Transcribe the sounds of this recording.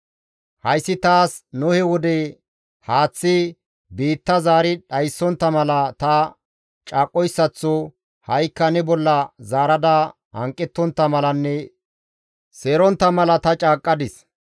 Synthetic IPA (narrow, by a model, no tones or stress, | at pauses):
hɐjsːɪt̪aːsnʊhɛwɔd̪ɛ | haːt͡sːɪ | biːt̪ːɐzaːɾɪᶑɐjsːɔnt̪ːɐmɐlɐt̪ɐ | t͡ʃʼaːkʼːɔjsːɐt͡sːɔ | hɐjkːɐnɛbɔlːɐzaːɾɐd̪ɐ | hɐ̰ŋkʼːɛt̪ːɔnt̪ːɐmɐlɐnːɛ | seːɾɔnt̪ːɐmɐlɐt̪ɐt͡ʃʼaːkʼːɐd̪ɪs